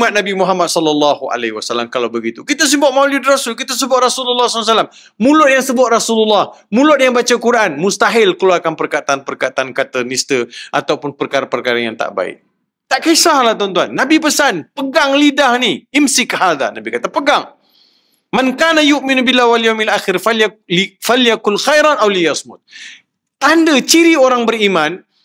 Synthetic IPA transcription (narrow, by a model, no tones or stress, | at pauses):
mat̪̚nabimuɦamad̪̚sɔlalːɑhua̰lehiwasalamkalawbəɡit̪ukit̪as̬imbɔʔ̚mawlidrasulkit̪as̬əbʊt̪̚rasululːɑsls̬alam | mulʊt̪̚jaŋsəbʊt̪̚rasululːɑhmũlʊt̪̚jaŋbat͡ʃəkuɾaʔanmust̪aɦɪlkəluarkanpərkat̪anpərkat̪ankat̪ənist̪əʔa̰t̪awpʊnpərkaɾapərkaɾajaŋt̪a̰ʔba̰ɪ̰ʔ̚ | t̪aʔkaisahlaht̪ɔnt̪uanːabipəsanpəɡaŋlidahniɪmsɪkhaða̰nabikat̪apəɡaŋ | mankanajʊʔminubilːawaljawmalʔaxɪrfafaljakʊnxajɾanʔawlijasmʊt̪̚ | t̪andət͡ʃiɾioɾaŋbəɾimãn